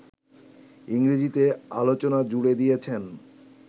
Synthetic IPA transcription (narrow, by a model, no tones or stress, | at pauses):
iŋɾid͡ʑit̪ealot͡ɕonad͡ʑuɽed̪ijet͡ɕʰen